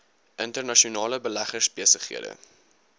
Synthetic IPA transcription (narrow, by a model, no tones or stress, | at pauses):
ʔəntərnɐʃiunɑːləbəlæχərsbiəsəχḭədə̰